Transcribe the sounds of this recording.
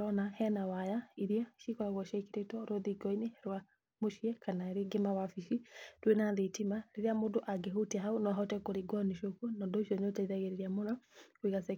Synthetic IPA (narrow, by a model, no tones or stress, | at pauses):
ɾɔnahɛnawajaiɾiaʃikɔɾaɣɔʃɛkeɾetwɔɾoðiɡɔinehɛɾwa | moʃiɛkanaeɾeɡemawafiʃitwenaðetimaɾeɾeamoːndoʔaɡeɦotiaɦaonɔaɦɔtɛkoɾeɡwɔniʃokunɔndoiʃɔɲotaiðaɣeɾeɾiamonɔkweɣasɛ